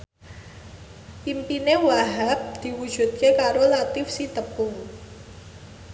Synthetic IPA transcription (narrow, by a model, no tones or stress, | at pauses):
pimpinewaɦak̚d̪̥i̤wud̥ʒ̥ṳt̪̚kekaɾolat̪ɪfsit̪əpʊŋ